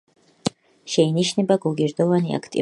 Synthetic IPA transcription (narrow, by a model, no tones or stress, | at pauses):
ʃɛiniʃnɛbaɡuɡiɾd̪ɔvania̰kʰt̪ʼḭ